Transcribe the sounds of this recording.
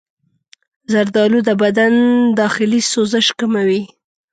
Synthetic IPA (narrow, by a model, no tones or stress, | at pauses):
zaɾd̪ɑlud̪əbad̪and̪ɑxɪlisozəʃkamawi